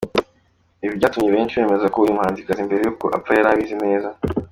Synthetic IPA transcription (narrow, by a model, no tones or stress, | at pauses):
iβibɟaːtumɲeβeːnt͡ʃiβe̞ːme̞zakoujumhaːnzikazimbe̞ɾe̞juko̞̰ʔa̰p͡fajaɾaβizine̞ːza